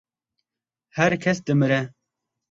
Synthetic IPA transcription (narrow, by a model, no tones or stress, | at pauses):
hɛɾkʰɛsd̪ɨmɨɾɛ